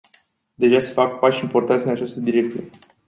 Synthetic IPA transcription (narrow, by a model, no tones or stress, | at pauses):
d̪e̞ʒasefak̚paʃimport̪ant̪eənat͡ʃast̪əd̪iɾe̞k̚t̪sije